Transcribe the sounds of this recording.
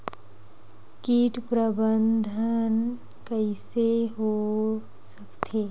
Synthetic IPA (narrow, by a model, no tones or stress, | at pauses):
kiːʈpɾəbənd̪ʱən | kəɪseɦo | səkt̪ʰeː